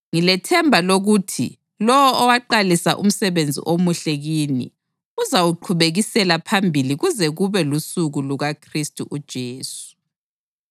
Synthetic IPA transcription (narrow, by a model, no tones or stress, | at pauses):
ŋilɛtʰɛmbʱaloɣutʰḭ | lɔwɔɔwaǃalisa̰ʔṵm̩sɛβend͡zʱḭʔomuɬɛɣiːnḭ | uzawuǃʰuβeɣisɛlapʰambʱiliɣuzɛɣuβɛlusuɣuluɣakʰristʼuʔud̥ʒ̥ʱeːsu̥